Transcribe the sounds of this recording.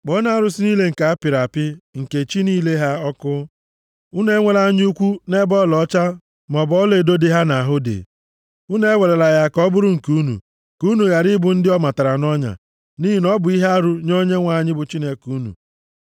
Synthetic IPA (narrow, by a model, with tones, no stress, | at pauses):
k͡pɔ˨˦na˦˨ɾʊ˨sɪ˦ni˦le˦ŋ̩˨ka˨a˦pɪ˨ɾa˨pɪ˦ŋ̩˨ke˨t͡ʃi˦niː˦le˦ɦa˦ɔ˦kʊ˦ | u˦ne˦ŋʷe˦la˦ɲ˦u˦kʷu˦ne˦bɔ˦lɔ˨˦t͡ʃa˦ | mɔ˨bɔ˦le˨do˦dɪ˦ɦa˦na˨a˨ɦʊ˦dḛ˨ | u˦ne˦e˦we˨ɾe˨la˨ja˨kɔ˦bʊ˦ɾʊ˦ŋ̩˨ku˦nṵ˨ | ku˦nu˨ɣa˨ɾɪ˦bʊ˨n̩˦dɪ˦ɔ˦ma˨ta˨ɾa˨nɔ˦ɲa̰˨ | ni˦ɦi˨nɔ˦bʊ˨i˦ɦa˦a˦ɾʊ˦ɲo˦ɲe˦ŋʷa˨ɲɪ˦bʊ˨t͡ʃi˦ne˨ku˨˦nṵ˨